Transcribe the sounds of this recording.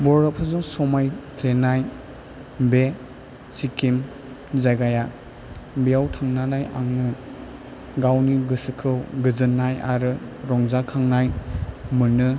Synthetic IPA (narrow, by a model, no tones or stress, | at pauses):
bɔɾɔp̚ʰɯzɔŋsɔmajpʰlenaj | be | sikim | zajɡaja | bijawtʰaŋnanaja̰ŋnɯ | ɡawniɡɯsɯkʰɯwɡɯzɯnːaja̰ɾɯɾɔŋzakʰaŋnajmɯnɯ